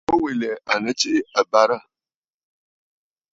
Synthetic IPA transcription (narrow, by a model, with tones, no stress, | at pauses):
o˦we˨lɛ˨ʔa˨nə˦t͡ʃe˦ʔa˨ba˦ɾa˦